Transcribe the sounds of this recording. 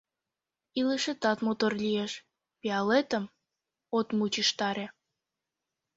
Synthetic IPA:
iləʃet̪ɑt̪mot̪orlʲijeʃ | peɑlet̪əm | ot̪mut͡ɕiʃt̪ɑɾe

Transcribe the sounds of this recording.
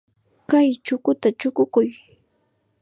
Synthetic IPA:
kajt͡ʃʊkʊt̪at͡ʃʊkʊkʊj

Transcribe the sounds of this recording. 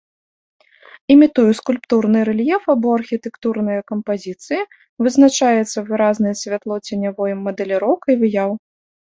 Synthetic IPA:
imʲit̪ujuskulʲpt̪urnɨɾɛlʲjɛfabɔɐrxʲit̪ɛkt̪urnɨjɐkɐmpazʲit̪sɨji | vɨznat͡ʂajɛt̪sːɐvɨɾaznɨjɐsʲvʲat̪lˠɔt͡sʲɛnʲavɔjɛmːɐd̪ɛlʲɛɾɔwkɐivɨjaw

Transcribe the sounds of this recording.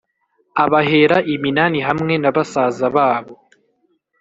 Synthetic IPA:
aβaɦe̞ɾaʔiminaniɦamŋe̞naβasaːzaβaːβo̞

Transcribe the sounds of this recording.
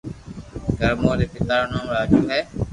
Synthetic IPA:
ɡəɾmoːɾeːpɪt̪aːɾnãːmɾaːd͡ʒuːɦɛː

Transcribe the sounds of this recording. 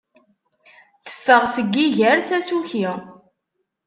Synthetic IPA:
θə̥fːəʁsəɡːiʝəɾθæsuçi

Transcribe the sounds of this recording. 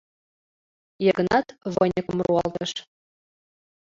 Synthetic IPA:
jɤ̆ɡɤ̆nɑt̪vɤnʲɤkə̆mruɑlt̪ɤ̆ʃ

